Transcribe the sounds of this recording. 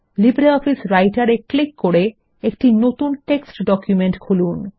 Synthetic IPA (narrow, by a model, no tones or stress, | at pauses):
libɾeɔfisɾajʈaɾeklikːoɾe | ekʈinot̪unʈeksʈɖɔkjumeɳʈkʰulun